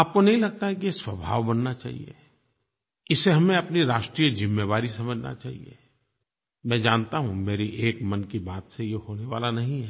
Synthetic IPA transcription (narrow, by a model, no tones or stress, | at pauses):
aːp̚konɐɦĩlɐɡ̚t̪aɦɛkijeswɐbʱa̰ːʋbɐnːat͡ʃa̰ːɦḭḛ | ɪseɦɐmẽɐpniɾaːʃʈɾiːjəzɪmːeʋaːɾisɐməd͡ʒʱna̰t͡ʃa̰ːɦḭḛ | mɛ̃ːd͡ʒaːnt̪aɦũmeːɾiʔeːkmɐnkibaːt̪sejehoːneʋa̰ːlanɐɦĩɦɛː